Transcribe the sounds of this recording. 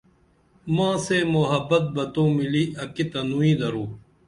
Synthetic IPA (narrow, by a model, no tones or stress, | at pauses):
mãːseːmoɦɐbːɐt̪̚bɐt̪õːmiliːʔɐkit̪ɐnuːĩːd̪ɐɾũː